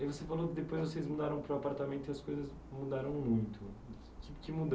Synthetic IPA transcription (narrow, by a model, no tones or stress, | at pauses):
ivosefalokɪd̪epojzvosezmud̪aɾɐ̃w̃pɾʊapaɾt̪amẽnt̪ʊiɐskojzɐz | mud̪aɾɐ̃w̃mũj̃t̪ʰʊ | t͡ʃ̪ipʊ̥kɪmud̪